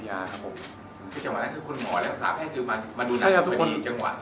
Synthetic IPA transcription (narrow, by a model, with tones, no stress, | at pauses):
jaː˧kʰa˦˥pʰo˨˩m | kʰɯː˧˩t͡ɕa˧ŋwa̰˨˩na˦˥kɯː˧kʰo˧nmɔː˨˩˦lɛː˦˥wsaː˩˦pʰɛː˥˩kʰɯː˧ma˧nma˧nduː˧na˥˦˩kʰa˧t̪ʰːkʰːt͡ɕa˧ŋwa̰˨˩